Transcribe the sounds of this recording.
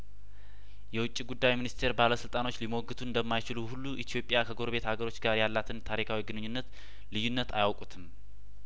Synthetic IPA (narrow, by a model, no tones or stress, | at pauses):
jɛwʊt͡ʃʼːiɡud̪ːajminist̪ʰe̞ɾbaləsɨlt̪ʼano̞t͡ʃːliməwɔɡːɨt̪ʰuɨnd̪əmːajt͡ʃɪluhulːuʔit̪ʰjo̞pʼjakʰəɡo̞ɾbe̞t̪haɡəɾo̞t͡ʃːɡaɾjalːat̪ʰɨnt̪ʰaɾikʰawiɡɨnɨɲːunːət̪ | lɨjːunːət̪ajawkʼut̪ʰɨm